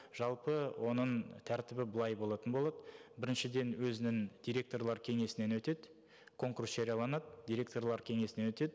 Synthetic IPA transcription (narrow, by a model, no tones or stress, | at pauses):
ʒ̥ɑlˠpəwʔo̞nəɴt̪ʰæɾt̪ɪbɪbəlˠɑjbo̞lˠɑt̪ənbo̞lˠɑd̪əbɪɾɪnʃɪd̪e̞nwɵzɪnɪŋd̪̥ʲijɾʲe̞k̚t̪o̞rlˠɑɾkʲʰe̞ŋe̞sɪne̞nwɵt̪e̞d̪ɪ | kʰo̞ŋkursʒ̥eɾʲijɑlˠɑnɑd̪əd̪ʲiɾʲe̞k̚t̪o̞rlˠɑɾkʲʰe̞ŋe̞sɪne̞nwɵt̪e̞d̪ɪ